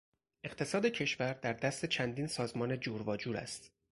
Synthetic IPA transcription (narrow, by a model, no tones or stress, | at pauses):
ʔe̞qt̪ʰe̞sɒːd̪e̞cʰe̞ʃvæɾd̪æɾd̪æst̪e̞t͡ʃʰænd̪iːnsɒːzmɒːne̞d͡ʒuɾvɒːd͡ʒuːɾæ̰st̪